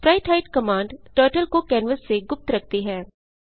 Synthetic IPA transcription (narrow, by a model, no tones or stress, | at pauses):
pɾaːɪʈʰaːɪʈkəmãːɳɖʈəːʈəlkokɛːnʋəsːeɡʊp̚t̪ɾək̚ʰt̪iːɦɛː